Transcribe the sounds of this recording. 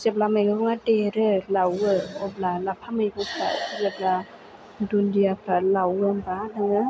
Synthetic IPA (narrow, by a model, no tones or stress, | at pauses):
sep̚lamajɡɯbɔŋateɾɯlawɯɔb̚lalapʰamajbɔŋpʰɾa̰sizepla | dundijapʰɾalawɯmbanaŋɯ